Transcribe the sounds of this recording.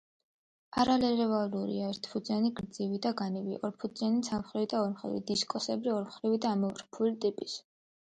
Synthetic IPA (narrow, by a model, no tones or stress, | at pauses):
aɾalɛɾɛvaluɾḭaɛɾt̪ʰpʰud̪zaniɡɾd̪zivid̪aɡanivḭʔɔɾpʰud̪zanit̪sʰamχɾivid̪aɔɾmχɾḭvḭd̪iskʼɔsɛbɾiɔɾmχɾivid̪aːmɔvɾpʰulit̪ʼipʼis